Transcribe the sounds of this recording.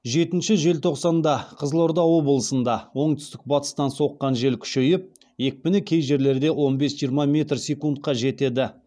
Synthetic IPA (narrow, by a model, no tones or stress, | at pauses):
ʒe̞t̪ɪnʃɪʒe̞lt̪ʰo̞qsɑnd̪ɑqʰəzəlˠo̞ɾd̪ɑwo̞bəlˠəsənd̪ɑwo̞ɴt̪ʏ̥st̪ɪk̚bɑt̪ə̥st̪ɑnso̞qːɑnʒe̞lkʲʰʏ̥ʃe̞jɪp̚ | je̞k̚ʲbɪnɪkʲʰe̞jʒe̞ɾle̞ɾd̪e̞wo̞nbe̞sʒijəɾmɑmʲe̞t̪rsʲe̞kunt̪̚qɑʒe̞t̪e̞d̪ɪ